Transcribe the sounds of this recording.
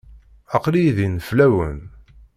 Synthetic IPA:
ɑqliðinflæwən

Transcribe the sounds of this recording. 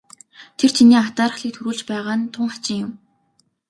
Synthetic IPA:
t̪ʰer̥t͡ɕʰiniːat̪aːɾə̆χɮiːk̚t̪ʰuɾuːɮt͡ɕpæːʁaːnt̪ʰʊɴχḁt͡ɕɪ̆ŋjʊm

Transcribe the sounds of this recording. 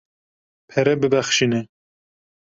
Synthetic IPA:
pʰɛɾɛbɨbæxʃinɛ

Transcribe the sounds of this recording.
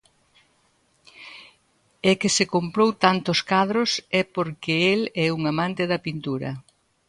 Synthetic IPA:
ekɪsekompɾowt̪ant̪ʊskaðɾʊsɛpoɾkɪelɛuŋamãnt̪ɪðɐpint̪uɾɐ̰

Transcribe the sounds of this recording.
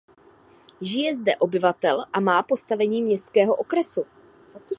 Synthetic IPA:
ʒɪjɛzdɛʔo̞bɪvat̪ɛlʔamaːpo̞st̪avɛɲiːmɲɛst̪kɛːɦo̞ʔokɾɛsu

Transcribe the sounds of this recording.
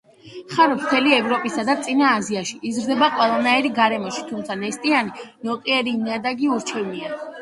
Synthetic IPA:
χaɾɔpʰt̪ʰɛliɛvɾɔpʼisad̪at̪sʼinaːziaʃiʔizɾd̪ɛbaqʼwɛlˠanaiɾiɡaɾɛmɔʃi̥t̪ʰumt̪sʰanɛst̪ʼianinɔqʼiɛɾiːmnad̪aɡiuɾt͡ʃʰɛvnia

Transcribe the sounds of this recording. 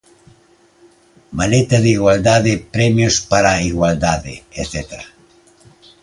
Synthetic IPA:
malet̪aðiɣwald̪aðepɾɛmjospaɾaiɣwald̪aðḛeθɛt̪ɾa

